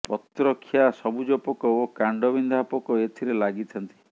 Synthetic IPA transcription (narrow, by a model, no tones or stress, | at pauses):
pɔt̪ɾɔkʰːjasɔbud͡ʒɔpɔkɔokaɳɖɔbind̪ʱapɔkɔet̪ʰiɾelaɡit̪ʰɔnt̪i̥